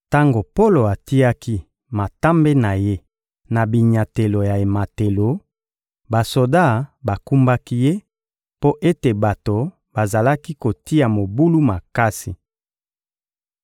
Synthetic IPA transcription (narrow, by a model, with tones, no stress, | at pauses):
ta˦ŋɡo˨po˦lo˨a˨ti˦a˦ki˦ | ma˨ta˦mbe˦na˨je˦ | na˨bi˨ɲa˨te˨lo˨ja˨e˨ma˨te˨lo˨ | ba˨so˨da˦˨ba˨ku˦mba˦ki˦je˦ | po˦ʔe˦te˨ba˨to˨ | ba˨za˨la˦ki˦ko˨ti˦ja˨mo˨bu˦lu˦ma˨ka˦si˨